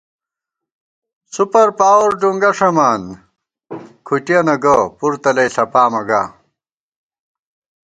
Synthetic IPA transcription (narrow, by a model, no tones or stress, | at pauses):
supɐɾpaːwoɾɖuŋɡɐʂɐmaːn | kʰuʈiɐnɐɡɐpuɾt̪ɐlɐjɬɐpaːmɐɡa̰ː